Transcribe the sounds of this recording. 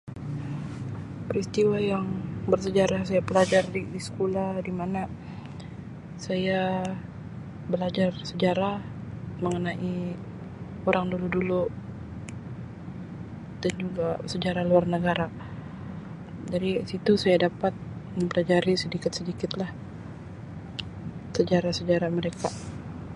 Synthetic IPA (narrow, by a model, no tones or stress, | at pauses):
pɾist̪iwajaŋbərs̬əd͡ʒaɾasajapəlad͡ʒardidisə̥kolahdimana | saja | bəlad͡ʒarsəd͡ʒaɾah | məŋənaʔi | oɾaŋduludulu | d̥and͡ʒuɡasəd͡ʒaɾaluarnəɡaɾa | d͡ʒaɾisit̪usajadapat̪̚məmpəlad͡ʒaɾisədikɪt̪sədikɪt̪lah | səd͡ʒaɾahsəd͡ʒaɾaməɾeka